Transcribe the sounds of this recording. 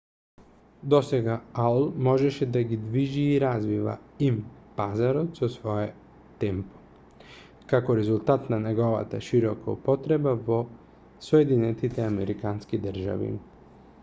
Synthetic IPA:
d̪ɔsɛɡaalˠmɔʒɛʃɛd̪aɡid̪viʒiːɾazviva̰impazaɾot̪sɔsvɔɛ | t̪ɛmpo̥ | kakoɾɛzulˠt̪at̪nanɛɡɔva̰t̪a̰ʃiɾɔkaupɔt̪ɾɛbavɔ | sɔjɛd̪inɛt̪it̪ɛamɛɾikanskid̪əɾ̩ʒa̰vḭ

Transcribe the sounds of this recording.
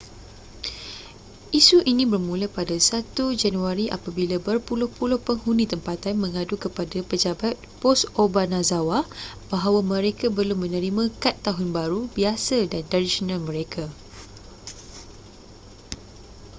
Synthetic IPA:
ʔisuʔinĩbərmũləpadasat̪ud͡ʒanuaɾiʔa̰pabilabərpulʊhpulʊhpəŋhunĩt̪əmpat̪anmə̃ŋãdukəpadapəd͡ʒabat̪̚pɔsobanãzawabaɦawamə̃ɾekabəlʊmːə̃nə̃ɾimãkat̪ːaɦʊnbaɾubiasadandaɾisɔnãlmə̃ɾekʰa

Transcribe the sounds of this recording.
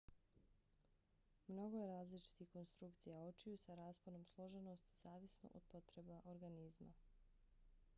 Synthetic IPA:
mno̞ɡo̞jeɾaːzlit͡ʃi̥t̪ixko̞nst̪ɾukt̪sijao̞t͡ʃijusaɾaːspono̞mslˠo̞ʒe̞nost̪izaːʋisno̰ʔod̪̥̚po̞t̪ɾe̞baʔoɾɡanizma̰

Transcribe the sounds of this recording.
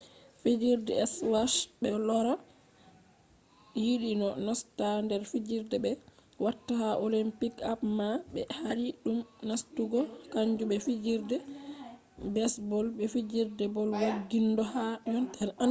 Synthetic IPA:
fid͡ʒiɾdɛɛswaʃbɛlɔɾa | jiɗinɔnɔstandɛɾfid͡ʒiɾdɛbɛwatːahaʔolimpikapmabɛ̰haɾiɗumnastuɡɔkaɲd͡ʒuɓɛfid͡ʒiɾdɛ | bɛsbɔlbɛfid͡ʒiɾdɛbɔlwaɡːindɔhaunɛna

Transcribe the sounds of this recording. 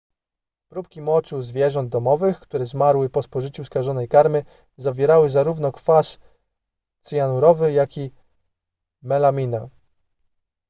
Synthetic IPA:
pɾup̚kʲimɔt͡ʂuzvʲjɛʐɔnd̪̚d̪ɔmɔvɘxkt̪uɾɛzmaɾwɘpɔspɔʐɘt͡ɕuskaʐɔnɛjkaɾmɘ | zavʲjɛɾawɘzaɾuvnɔkfas | t̪sɘjanuɾɔvɘjakʲi | mɛlamʲina

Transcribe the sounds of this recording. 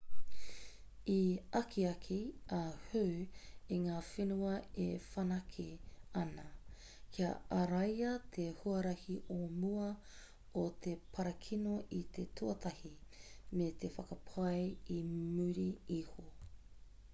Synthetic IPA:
iɐkʰiɐkʰiɐhuiŋaːfenuɐefɐnɐkʰeɐnɐ | kʰiɐ̰ɐɾɐjɐt̪ʰehuɐɾɐhiʔomuɐ | ot̪ʰepʰɐɾɐkʰinoʔit̪ʰetʰuɐt̪ʰɐhimet̪ʰefɐkɐpʰɐjimʉɾiiho

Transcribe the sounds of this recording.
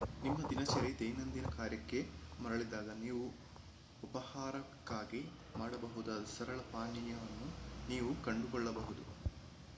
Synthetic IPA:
nimːɐd̪inɐt͡ʃɐɾet̪ejnɐnd̪inɐkaːɾjɐkːe̞mɐɾɐɭid̪aːɡɐniːʋu | upɐhaːɾɐkːaːɡi | maːɽɐbɐɦud̪ɐd̪usɐɾɐɭɐpaːɳijɐʋɐnːuniːʋukɐɳɖukɔɭːɐbɐɦud̪u

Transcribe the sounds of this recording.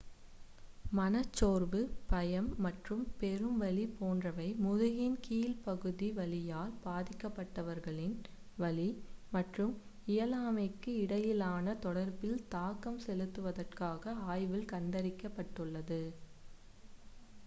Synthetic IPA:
mɐnɐt͡ʃːoːrbɯpɐjɐmːɐʈrɯmpɛɾɯmʋɐɭipoːndrɐʋɐɪmʊðʊɣɪnkiːlpɐɣɯðiʋɐlɪjaːlbaːðɪkːɐpːɐʈːɐʋɐɾɣɐɭɪn | ʋɐlimɐʈrɯm | ɪjɐlaːmɐɪkːɯɪɽɐjɪlaːnɐt̪ɔɽɐɾbɪlt̪aːkɐmsɛlɯt̪ːɯʋɐðɐrkaːɣɐaːjʋɪlkɐnd̪ɐɾɪkːɐpːɐʈːɯɭːɐðɯ

